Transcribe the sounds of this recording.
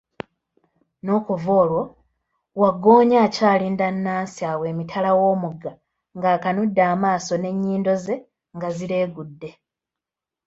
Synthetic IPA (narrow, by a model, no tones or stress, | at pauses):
no̞ːkuvo̞ːlwo̞ | waɡo̞ːɲaːcaːliːndanːaːsiaːwe̞ːmitʰalawo̞ːmuɡa | ŋɡaːkanudːaːmaːso̞ne̞ɲːiːndo̞ze̞ | ŋɡazile̞ːɡudːe̞